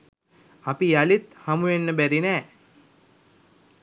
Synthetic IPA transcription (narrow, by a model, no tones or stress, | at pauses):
apijalit̪hamujenːəbæɾinɛː